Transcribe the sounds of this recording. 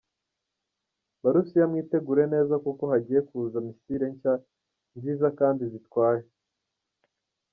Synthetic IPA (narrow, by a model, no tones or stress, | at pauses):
baɾusijamŋiːte̞ɡuːɾe̞ne̞ːzakuko̞haɟiːje̞kuzamisiɾe̞ɲca | nziːzakaːndizitwaːje